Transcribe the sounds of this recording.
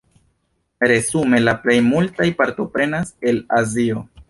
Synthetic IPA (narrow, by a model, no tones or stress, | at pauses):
ɾe̞zume̞laple̞jmultajpaɾto̞pɾe̞nase̞lazio̞